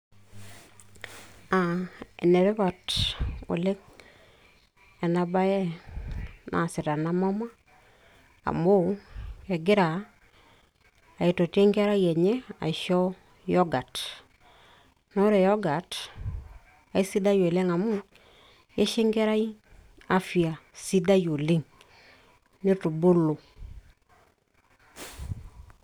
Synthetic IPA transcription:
a˨ḛ˨ne˨ɾe˦βa˨to̰˨le˦ŋ | e˨na˨ba˦jɛ˦ | nʔa̰˨si˨ta˨na˦ma˦ma˦˨ | mbo˦e˨ɡɪ˦ɾa˨ | a˨i˨to˨te˦ŋɡe˦ɾa˦je˨ɲe˦a̰˨ʃɔ˦ | jo˦ɡa˨t | no˦ɾe˨jo˦ɡa˨t | a˨i˦si˦da˦jo˨le˦ŋa˨mu˦ | je˦ʃe˦ŋɡe˦ɾa˦i˦ | a˦fi˨a˨si˦da˦jo˨li˦ŋ | ni˦tu˨bo˦lo˨

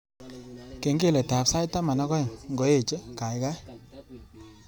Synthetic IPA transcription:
ke˨ŋɡe˦˨lɛ˨ta˨psa˦jta˦ma˨na˦kɔ˦˨ŋŋɡɔ˨e˦˨t͡ʃe˦ka˨jka˦

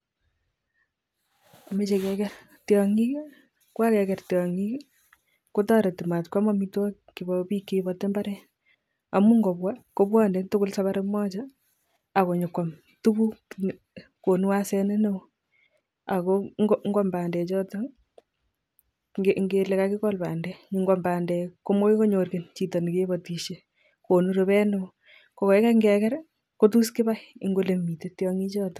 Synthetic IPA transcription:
a˨me˦t͡ʃe˨kɛkɛ˦ɾ | tjɔŋi˦ | kwa˦kɛ˨kɛ˨rtjɔ˨ŋi˦k | ko˦tɔ˦ɾɛ˨tu˨ma˨tkwa˦ma˦mi˦twa˦ | ki˨bɔpi˦kːebɔte˦mba˦ɾɛ˦ | a˨mu˦ŋɡo˨pwa˦ko˦bwɔ˦ndɛ˨tʊ˦kʊ˦lsa˦βaɾe˦mɔ˦t͡ʃa | a˨ko˨ɲo˨kwa˨m | tu˦ku˦ | ko˨nu˦wa˦sɛ˦ne˦ne˦w | a˨koŋoŋɡɔ˦mbaː˨ndɛ˨t͡ʃɔː˦tɔ | ɡe˨ŋɡele˨kakɪ˦kɔ˦lbaː˨ndɛɲi˨ŋɡɔ˨mba˨ndɛ˨ko˦mo˦i˦ko˦ɲo˨rke˨nt͡ʃi˨tɔ˨ni˨ke˦bɔ˨ti˨ʃe˨ | ko˨nu˦ɾo˨bɛ˦ne˦w | ko˨kɔ˨ɛ˦ka˦ŋɡɛ˨kɛ˦ɾ | ko˦t̬u˦skɪ˦ba˦iɪ̰˦ŋɡo˦le˨mi˨tetjɔ˦ŋi˦t͡ʃɔː˦tɔ̥˨

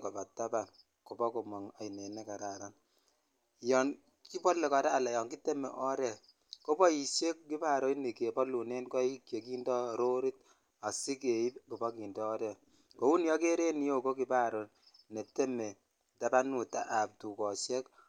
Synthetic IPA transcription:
kɔ˨ba˨ta˦ba˨n | ko˨bɔ˦ko˨mɔ˨ŋa˨i˨ne˨nɛ˦ka˨ɾa˨ɾa˦n | jɔ˨n | ki˦pɔ˦lːe˨kɔ˨ɾɛː˦˨lɛ˨jɔ˨ŋki˦te˦mḛ˨ʔɔ˦ɾɛ˨ | ko˦bɔ˦i˨ʃe˦kki˦pa˦˨ɾo˦ni˨ke˨pɔ˦lu˨ne˦nkɔ˦i˦kje˨ki˦ndɔ˦ɾo˦ɾi˦t̚ | a˨si˦ke˨i˦t̚ko˨bɔ˦ki˨ndɔː˦ɾɛ˨ | ko˨˦wu˦njɔ˦ke˦ɾe˦ni˦jo˦ko˦ki˨pa˦ɾo˨ | ne˨te˦me˨ | ta˦ba˦nu˨ta̰˦ʔa˨p̚tu˨kɔ˨ʃɛ˦k

